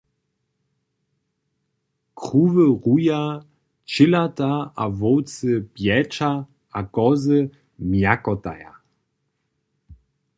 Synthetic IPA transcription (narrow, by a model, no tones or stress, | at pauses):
kʁuːvəʁuja | t͡ɕɪlataavɔwt͡səpjɛt͡ʃa | akɔzə | mjakɔta̰ja̰